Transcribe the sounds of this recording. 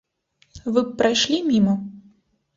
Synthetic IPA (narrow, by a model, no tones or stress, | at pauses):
vɨpɾajʂlʲimʲimɐ